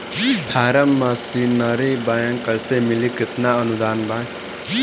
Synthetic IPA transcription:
pʰaːɾəmːasinəɾibajaŋkəsemilikɪt̪naənud̪aːnbak

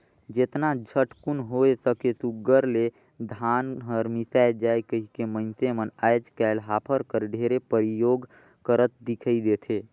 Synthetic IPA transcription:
d͡ʒet̪nad͡ʒʱəʈkʊnɦoesəkesuɡəɾle | d̪ʱaːnɦəɾmisajd͡ʒaːekəɦikemə̃ɪnt̪emənaːjd͡ʒkɛːlɦaːpʰəɾkəɾɖʱeɾepəɾijoːɡ | kəɾət̪̚d̪ɪkʰəid̪eːt̪ʰeː

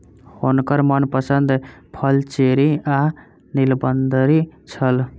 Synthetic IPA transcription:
honkəɾmənpəsənd̪pʰəlt͡ʃeɾia | nilbənd̪ʱɾit͡ʃʰəl

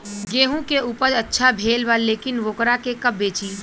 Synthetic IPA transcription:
ɡeːɦũkeuːpəɾɐtːʃʰabʱeːlʋaːlːeːkɪnʋoːkɾakekɐb̚ːeːt͡ʃiː

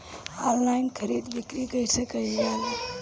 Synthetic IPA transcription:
ɔllajnkʰəɾid̪bikɾikəjsəkəɡal

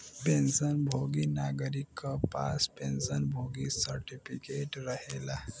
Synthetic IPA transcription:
pẽnsənbʱoɡinaɡəɾikːəpa̰spẽnsənbʱoɡisəɾʈipʰikeʈɾəhela

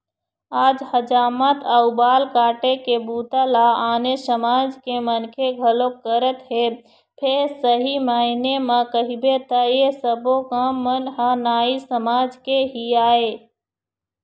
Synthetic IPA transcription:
aːd͡ʒhəd͡ʒaːmat̪ʰəʊbaːlkaːʈekebuːt̪alaaːnesəmaːd͡ʒkemənkʰeɡʱəlokːəɾət̪ɦe | pʰeɾsəɦimaːɪnemãkəɦibet̪ajesəbokamːənɦanaːisəmaːd͡ʒkeɦiaːeː

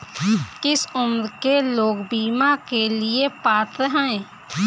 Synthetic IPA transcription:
kɪsʊmɾkeloːɡbiːmakeliepaːt̪ɾəɦɛ̃

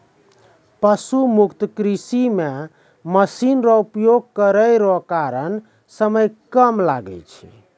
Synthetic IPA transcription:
pəsumukt̪əkɾisime | məsinɾɔupjoɡ̚kəɾəjɾɔkaɾən | səməjkəmla̰ɡɛ̰lt͡ʃʰḭ

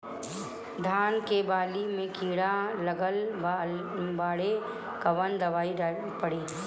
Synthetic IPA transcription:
d̪ʱaːnkebaːlimẽkiːɽalɐɡəl | baːɽe | kɐʋənd̪ɐʋaːi | pɐɽiː

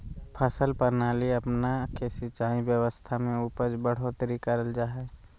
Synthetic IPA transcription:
pʰəsəlpəɾnaːliɐpnakesɪt͡ʃaːĩbjəwəst̪ʰamẽuːpəd͡ʒbəɽ̤ot̪ɾikəɾəld͡ʒaːɦɛ

